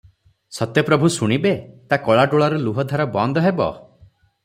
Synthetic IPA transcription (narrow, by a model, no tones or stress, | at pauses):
sɔt̪jɔpɾɔbʱusuɽ̃ibet̪akɔɭaɖoɭaɾuluɦɔd̪ʱaɾɔbɔnd̪ʱɔɦebɔ̰